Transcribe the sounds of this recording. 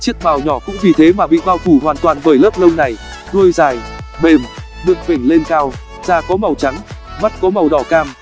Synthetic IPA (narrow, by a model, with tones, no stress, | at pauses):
t͡ɕi˦˥ək̚ɓaː˨˩wɲɔ˧˩kʊ̰˧˥ŋ͡mvi˨˩t̪ʰe˨˦maː˨˩ɓḭ˧˨ɓaː˧wt̪ʰu˧˩hɦwaː˨˩nt̪waː˨˩nɓəː˧˩jləː˦˥p̚lə˧wŋ͡mna˨˩j | zu˧əjzaː˨˩jɓe˨˩m | ɗɨ˧˩əŋve˧˩ŋle˧nkaː˧w | z̥aː˧˩kɔ˨˦ma˨˩wt͡ɕa˨˦ŋma˦˥t̚kɔ˨˦ma˨˩wɗɔ˧˩kaː˧m